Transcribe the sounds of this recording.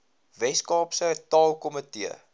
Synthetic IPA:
vɛskɑːpsətɑːlˠkɔmətiə̰

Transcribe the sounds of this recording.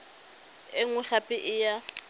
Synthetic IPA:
ɪŋʊɬapʼɪʔɪja

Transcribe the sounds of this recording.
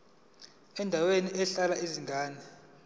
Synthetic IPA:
ɛndʱaweniɛɬalaiziŋɡʱaːnɛ

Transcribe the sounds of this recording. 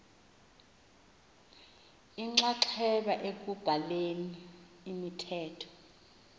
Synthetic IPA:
iŋ͡ǁaǀʰɛɓaʔek̬ub̥ʱaleniː | mitʰɛːtʰɔ̥

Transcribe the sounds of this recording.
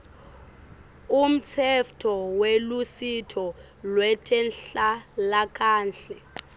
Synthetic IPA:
um̩t͡sʰɛftʰɔwelusitʰɔ | lwɛtʰɛnɬalakʰaːnɬɛ

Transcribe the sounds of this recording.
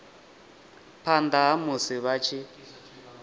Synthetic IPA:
pʰandaɦamusiβat͡ʃʰi

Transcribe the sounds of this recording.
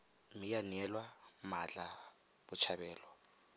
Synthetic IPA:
mijanɛlwamat͡ɬʼa | bʊt͡ʃʰabɛːlɔ

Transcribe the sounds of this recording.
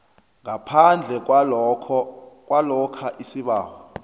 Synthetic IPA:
ŋapʰand͡ɮʱɛkʰ | k̬ʼwalɔkʰaʔisiɓaːwɔ

